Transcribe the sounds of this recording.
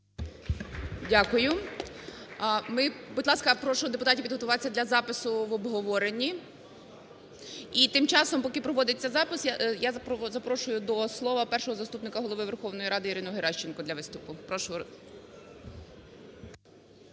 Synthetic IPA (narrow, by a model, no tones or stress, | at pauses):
dʲakʊjʊ | mɪbʊd̪lˠɑskɐpɾɔʃɔɦɔd̪e̞pʊt̪ɑtʲipʲid̪ɦɔt̪ʊʋɑt͡sʲːɐd̪lʲɐzɑpɪsʊʋɔbɦɔʋɔɾenʲːi | it̪ɪmt͡ʃɑsɔmpɔkɪpɾɔʋɔd̪ɪt͡sʲːɐzɑpɪsjajazɐpɾɔʃʊjʊd̪ɔslˠɔʋɐpɛrʃɔɦɔzɐst̪upnɪkɐɦɔlˠɔʋɪʋerxɔʋnɔjiɾɑd̪ɪiɾɪnɔɦeɾɑʃt͡ʃenkɔd̪lʲɐʋɪst̪ʊpʊpɾɔʃɔɔ